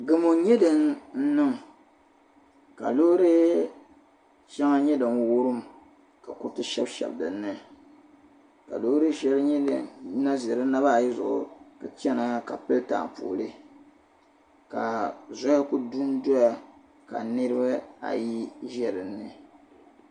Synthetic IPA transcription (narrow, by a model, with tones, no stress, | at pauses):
ɡɨ˦mo˨ɲɛ˦dɨ˨nn̩˦nɨ˦ŋ˨ | ka̰˨lo˦ɾɨ˦ | ʃɛ˦ŋa˦ɲɛ˦dɨ˨mwu˦ɾɨ˦m˨ | ka˨ku˦tɨ˦ʃɛ˦bʃɛ̰˨bdɨ̰˨nːɨ˦ | ka̰˨lo˦ɾɨ˦ʃɛ˦lɨ˦ɲɛ˦dɨ˨˦na˦zɛ˨ɾɨ˦na˦ba˦˨ji˦zʊ̰˨ʔʊ̰˨kɨ˨t͡ʃɛ˦na˦ka˨pɨ˦lta̰˨pṵ˨lɨ˦ | ka˨zɔ˦ja˦ku˦du˦n˦dɔ˦ja˨ | ka̰˨nɨ˦ɾɨ˦ba˦a̰˨ji˦ʒɛ˦ɾɨ˨nːɨ˨